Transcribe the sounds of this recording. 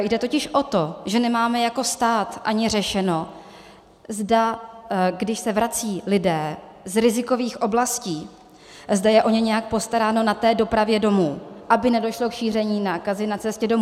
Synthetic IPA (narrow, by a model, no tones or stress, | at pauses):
jdɛt̪o̞cɪʃʔo̞t̪o̞ʒɛnɛmaːmɛjako̞st̪aːt̪ʔaɲɪr̝ɛʃɛno̞ | zda | ɡdɪʃsɛvɾat͡siːlɪdɛː | zɾɪzɪko̞viːxʔo̞blasciː | zdajɛʔo̞ɲɛɲɛjak̚po̞st̪aɾaːno̞nat̪ɛːdo̞pɾavjɛdo̞muːʔabɪnɛdo̞ʃlo̞kʃiːr̝ɛɲiːnaːkazɪnat͡sɛscɛdo̞mu